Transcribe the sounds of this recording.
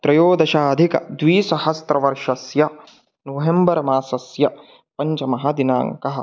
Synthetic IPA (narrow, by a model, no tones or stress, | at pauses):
t̪ɾɐjoːd̪ɐʃaːɐd̪ʱikɐ̰d̪ʋiːsɐhɐst̪ɾɐʋɐɾʃɐsjɐ | nɐɦembɐɾmaːsɐsjɐ | pɐɲt͡ʃɐmɐɦɐ̆d̪ina̰ːŋkɐɦɐ̆